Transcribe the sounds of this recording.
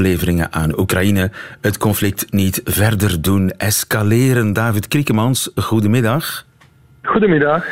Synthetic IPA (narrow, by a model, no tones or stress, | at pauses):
leːvəɾɪŋə̰ʔaːnukrajinəɦətkɔnflɪk̚tnitvɛrdərdunɛskaleːɾəndaːvɪtkrikəmɑnsɣudəmɪdɑx | ɣudəmɪdɑx